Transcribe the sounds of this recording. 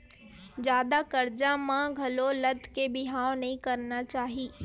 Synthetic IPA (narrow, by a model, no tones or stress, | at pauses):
d͡ʒjaːd̪akɐɾd͡ʒãmãɡʱɐlolɐd̪ʱkebɪɦaːʋnɐɦĩkɐɾnat͡ʃaːɦiː